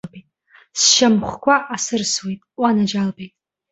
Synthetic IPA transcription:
bejtʼ | sʃamχʷkʷʰaʔasɨrswejtʼʷanad͡ʒalbejtʼ

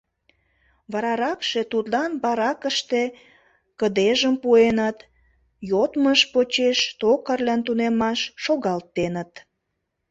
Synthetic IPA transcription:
βɑɾɑɾɑkʃe̽t̪ud̪lɑnbɑɾɑkəʃt̪e̽ | kəd̪eʒəmpuenət̪ | jot̪məʃpot͡ɕeʃt̪okərlænt̪̬unemɑʃːoɣɑlt̪enət̪

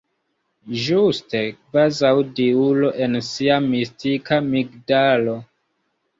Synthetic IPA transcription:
ʒuste̞kvazawdiulo̞ʔe̞nsiamistikamiɡdalo̞

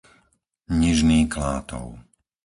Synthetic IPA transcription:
ɲiʒniːklaːt̪ɔ̰ʊ

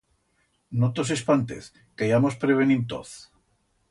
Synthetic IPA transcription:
not̪os̬e̞spant̪ḛθ | kajamospɾeβenint̪o̰θ

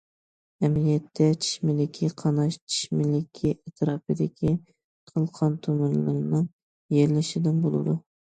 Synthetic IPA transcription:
ɛmlijɛt̪ʰːɛt͡ʃʰi̥ʃmɪlɪkʲʰiqʰɑnɑʃt͡ʃʰi̥ʃmɪlɪkʲʰiʔɛt̪ʰɾɑːpɨd̪ɪkʲʰi | qʰəlˠqʰɑnt̪ʰømɪnlɪɾnɨŋ | jeɾlɪʃɪd̪ɪnbolˠɨ̰d̪u

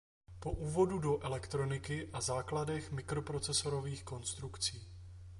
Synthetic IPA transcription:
po̞ʔuːvo̞dudo̞ʔɛlɛkt̪ɾo̞nɪkɪʔazaːkladɛxmɪkɾo̞pɾo̞t͡sɛso̞ɾo̞viːxko̞nst̪ɾukt͡siː

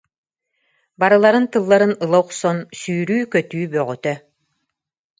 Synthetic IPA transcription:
baɾɯlˠaɾɯnt̪ɯlˠːaɾɯnɯlˠɔwqsɔnsyːɾyːkœt̪yːbœʁyt̪œ

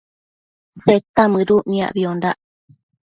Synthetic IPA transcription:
set̪amɨɾuʔmĩa̰ʔβiondaʔ

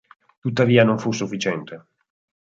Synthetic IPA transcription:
t̪ut̪ːaviːanoɱfusːufːit͡ʃɛnt̪e

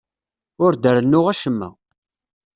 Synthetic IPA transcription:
ʊɾd̪əɾənːʊʁæʃəmːæ̰

